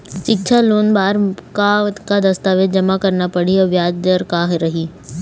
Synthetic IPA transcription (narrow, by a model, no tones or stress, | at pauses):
t͡ʃɪkt͡ʃʰaloːnbaːɾkat̪kad̪ɐst̪aːʋed̪̚d͡ʒɐmakɐɾnapɐɽ̤iɛʋjaːd͡ʒəɾkaːɦɾɐɦiː